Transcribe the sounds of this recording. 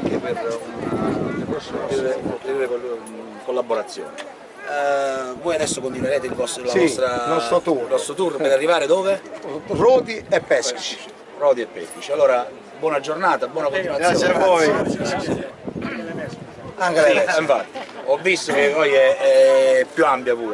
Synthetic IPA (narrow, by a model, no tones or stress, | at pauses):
aŋkepɪrunkɔsiːɾeot̪ɾiuːɾeko | kolːabːoɾat̪sːjo̰ːnɪ | voːjad̪ɛsːokont̪̬inweɾɛːt̪ɪilvɔst̪lasɔst̪ɾanɔst̪ot̪unɔst̪ɾot̪urpeɾarːivaːɾɪd̪oːverɔːd̪iɛpːɛskki̥t͡ʃi̥ | rɔːd̪iɛpːɛ̰skit͡ʃialːoːɾa | bwɔːnad͡ʒornaːt̪abwɔːnakont̪inwatɡɾaːaːsːiavoj | ɛs | aŋkalemɛsiɱfat̪ːi̥ɔvːist̪ʊk̟evɔjɛɛpːjuampjapuːɾ